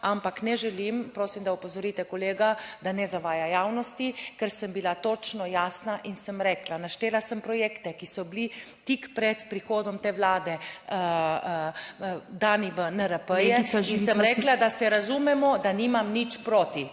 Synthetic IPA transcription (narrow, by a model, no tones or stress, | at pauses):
ampaknɛʒɛlimpɾoːsimd̪aupɔzɔɾit̪ɛkɔleːɡad̪anɛzaʋaːjajaːwnɔst̪ikɛɾsəmbilat̪oːt͡ʃnɔjaːsnaʔinsəmɾɛːklanaʃt̪eːlasəmpɾɔjeːkt̪ɛkisɔbli | t̪ikpɾɛt̪pɾixoːd̪ɔmt̪eːʋlaːd̪ɛ | d̪aːniʋənəɾəpəjɛinsəmɾɛːklad̪asɛɾazumɛmɔd̪aniːmamnit͡ʃpɾoːt̪i